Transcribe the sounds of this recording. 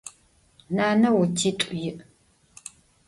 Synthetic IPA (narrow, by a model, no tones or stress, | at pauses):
naːnɐwʊtʰiːtʷʼʊjɪʔ